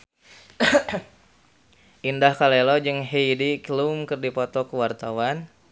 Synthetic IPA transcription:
ʔindahkalelɔd͡ʒɨŋɦejdiklumkɨrdipɔt̪ɔkəwart̪awan

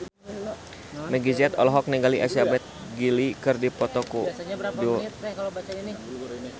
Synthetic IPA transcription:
mɛɡid͡ʒɛt̪ɔ̰lɦɔk̚niŋɡaliʔasabɛt̪̚ɡilikɨrdipɔt̪ɔkusaɲabaduɛkalobsaɲani

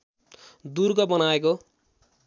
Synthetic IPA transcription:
d̪urɡʌbʌnaeko

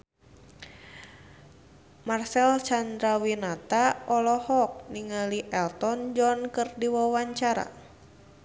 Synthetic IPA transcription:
marsɛlt͡ʃand̪ɾawinat̪aɔlɔhɔk̚niŋaliʔɛlt̪ɔnd͡ʒɔnkɨrdiwawaɲt͡ʃaɾa̰

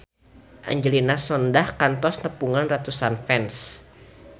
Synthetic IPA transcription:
ʔa̰ɲd͡ʒəlinasɔndahkant̪ɔsnəpuŋanrat̪usanfɛns

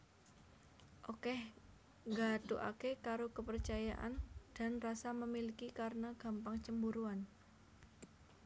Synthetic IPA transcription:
ʔokɛh | ŋɡat̪uʔa̰kekaɾokəpərt͡ʃajaʔa̰nd̥a̤nrasaməmilikikaɾənaɡ̥a̤mpaŋt͡ʃəmbuɾuan

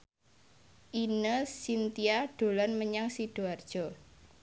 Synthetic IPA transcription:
ʔinəsint̪iaɖ̥o̤lanməɲaŋsiɖ̥o̤ard̥ʒ̥ɔ̤

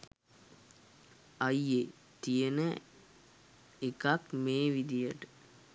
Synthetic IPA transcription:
ɐje | t̪ijenə | ekakmeːʋid̪ijəʈə

